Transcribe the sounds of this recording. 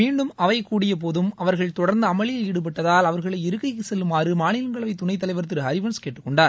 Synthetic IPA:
miːɳɖɯmɐʋɐɪkːuːɽɪjɐp̬oːðɯmɐʋɐɾɣɐɭt̪ɔɽɐɾnd̪ɐɐmɐɭɪjɐlɪɽɯp̬ɐʈːɐðaːlɐʋɐɾɣɐɭɐɪɪɾɯkːɐɪkːɯsɛlːɯmaːrɯmaːnɪlɐŋɡɐɭɐʋɐɪt̪ʊɳɐɪt̪ːɐlɐɪʋɐɾt̪ːɯɾɦɐɾɪʋɐnskeːʈːɯkːɔɳɖaːɾ

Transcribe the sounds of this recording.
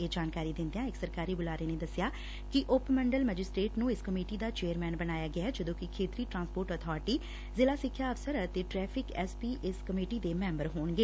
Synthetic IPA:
eːd͡ʒaːnkaːɾiːd̪ɪ̃nd̪eãːɪksəɾkaːɾiːbʊlaːɾeːneːd̪əsɪjaː | kɪʔʊpməɳɖəlməd͡ʒɪsʈɾeːʈnũːɪskəmeːʈiːd̪aːt͡ʃeːəɾmɛːnbənaːjaːɡɪaːd͡ʒəd̪õːkɪkʰeːt̪ɾiːʈɾãːnspoːʈət̪ʰɔːɾʈiː | zɪlaːsɪkʰːjaːəfsəɾət̪eːʈɾɛːpʰɪkɛːspiːʔɪskəmeːʈiːd̪eːmɛ̃ːmbəɾɦoːnɡeː

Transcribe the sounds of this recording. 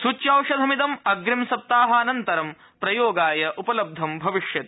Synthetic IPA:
sut͡ʃjɐːwʂɐd̪ʱɐmit̪ɐmɐɡɾimsɐp̚t̪aːɦɐɐnɐnt̪ɐɾɐm | pɾɐjoːɡaːjɐʔupɐlɐb̚d̪ʱɐmbʱɐʋiʂjɐt̪̚

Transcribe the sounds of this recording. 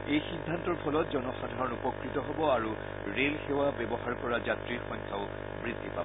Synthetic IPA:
ejxidʱːantɔɹpʰɔlɔt̚zɔnɔxadʱaɹɔnupɔkɹitɔɦobɔaɹu | ɹelxewabɛbɔɦaɹkɔɹazatɹiɹxɔŋkʰa̰ʊ | bɹidʱːipabɔ

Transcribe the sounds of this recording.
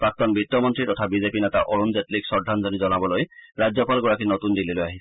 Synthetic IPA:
pɹak̚t̪ɔnbit̪ːɔmɔntɹit̪ɔt̪ʰabizepinet̪aʔɔɹunzetliksɔɹd̪ʱanzɔnizɔnabɔlojɹad͡ʑjɔpalɡɔɹakinɔt̪und̪ililojaɦi

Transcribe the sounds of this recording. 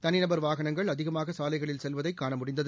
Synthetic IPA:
t̪ɐnɪnɐbɐɾʋaːɣɐɳɐŋɡɐɭɐðɪɣɐmaːɣɐsaːlɐɪɣɐɭɪlsɛlʋɐðɐɪkːaːɳɐmʊɽɪnd̪ɐð

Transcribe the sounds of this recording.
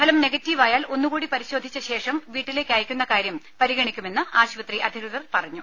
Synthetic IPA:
ɐlɐmneɡɐtːiːʋaːjaːlʔo̞nːukuːɽipɐɾiɕo̞ːd̪ʱit͡ɕːɐɕe̞ːʂɐmʋiːʈːile̞ːkʲːaːjikʲːunːɐkaːɾjɐmpɐɾiɣɐɳikʲːume̞nːɨʔaːɕʋɐt̪riʔɐd̪ʱirɨðɐrpɐrɐɲːu

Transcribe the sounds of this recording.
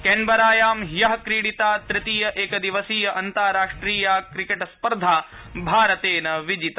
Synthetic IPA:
keɳbɐɾaːjaːmɦjɐɦɐkɾiːɽit̪aːt̪ɾɪt̪iːjɐʔeːkɐd̪iʋɐsiːjɐʔɐnt̪aːɾaːʂʈɾiːjaːkɾikeʈspɐɾd̪ʱaː | bʱaːɾɐt̪eːnɐʋid͡ʒit̪ɐ

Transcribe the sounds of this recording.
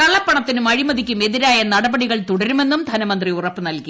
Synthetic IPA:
kɐɭːɐpːɐɳɐt̪ːinumɐɻimɐðikʲːume̞ðiɾaːjɐnɐɽɐbɐɽiɣɐɭt̪uɽɐɾume̞nːumd̪ʱɐnɐmɐnd̪riurɐpːɨnɐlki

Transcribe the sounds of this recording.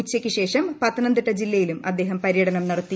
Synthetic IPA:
ut͡ɕːɐkʲːɨɕe̞ːʂɐmpɐt̪ːɐnɐnd̪iʈːɐd͡ʑilːɐjilumɐd̪ːe̞ːɦɐmpɐɾjɐɽɐnɐmnɐɽɐt̪ːi

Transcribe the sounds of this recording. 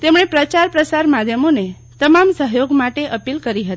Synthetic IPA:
t̪emɽepɾət͡ʃaɾpɾəsaɾmad̪ʱjəmone | t̪əmamsəɦjoɡmaʈeʔəpilkəɾiɦət̪i̥

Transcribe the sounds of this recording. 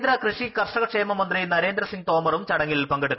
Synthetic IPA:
nd̪ɾɐkrɨʂikɐrʂɐɣɐʂeːmɐmɐnd̪rinɐɾe̞ːnd̪ɾɐsiŋɡ̚t̪o̞ːmɐrumt͡ɕɐɽɐŋːilpɐŋɡɐɽ

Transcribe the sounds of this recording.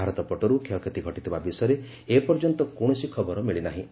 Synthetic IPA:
aɾɔt̪ɔpɔʈɔɾukʰeɔkʰet̪iɡʱɔʈit̪ʰibabisɔjɔɾe | epɔɾd͡ʒɔnt̪ɔkoɽ̃ɔsikʰɔbɔɾɔmiɭinaɦĩ

